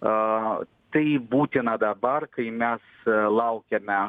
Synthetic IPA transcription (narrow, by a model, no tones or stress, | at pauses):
t̪ɐɪbuːt̪ʲɪnɐd̪ɐbɐɾkɐɪmʲɛslˠɐʊkʲɛmʲɛ